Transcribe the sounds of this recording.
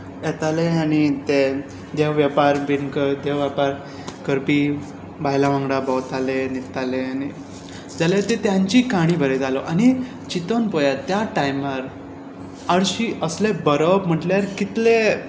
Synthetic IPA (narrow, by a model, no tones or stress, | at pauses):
jɛt̪aleanit̪e | d̪eʋʋjapaɾbinkəd̪eʋʋjapaɾ | kəɾpi | baɦjlaʋãŋɡɽabɔwt̪alenit̪aleani | d͡zaljat̪et̪jãɲt͡ɕikaɽ̃iːbʱəɾed͡zalɔʔañi | t͡ɕit̪onpɔjat̪jaʈajmaɾ | aɽɕiəslebəɾəpm̤əʈljaɾkit̪le